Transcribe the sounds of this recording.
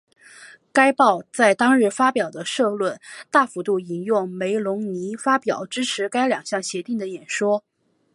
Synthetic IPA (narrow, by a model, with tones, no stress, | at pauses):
ka˥ɪpɑ˥˧ʊt͡sa˥˩ɪt̪ɑ˥ŋɻɻ̩˥˩fa˥pjɑ˨˩ʊd̪ə˦ʂɤ˥˧lwə˥˩nt̪a˥˩fu˧˥t̪u˥˩i˨˩njʊ˥˩ŋme˧˥ɪlʊ˧˥ŋni˧˥fa˥pjɑ̰˨˩˦ʊʈ͡ʂɻ̩˥ʈ͡ʂʰɻ̩˧˥ka˥ɪljɑ˨˩ŋɕjɑ˥˩ŋɕjɛ˧˥t̪i˥˩ŋd̪ə˩jɛ˨˩nʂwɔ˥